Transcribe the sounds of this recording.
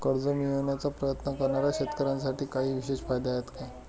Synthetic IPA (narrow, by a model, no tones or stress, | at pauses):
kəɾd͡zomioɳjat͡sapɾəjət̪nəkəɾɳaɾjaɕet̪kəɾãnsaʈiːkaɦiːʋiɕeɕfajd̪ajet̪kaj